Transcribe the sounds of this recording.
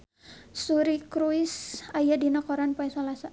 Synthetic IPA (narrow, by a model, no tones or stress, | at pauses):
suɾikɾuisajadinɔkɔɾanpaɛsalasa